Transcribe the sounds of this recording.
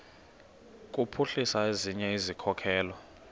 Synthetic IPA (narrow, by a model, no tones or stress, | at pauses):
k̬ʼupʰuɬisaeziɲɛizikʰɔkʰɛːlɔ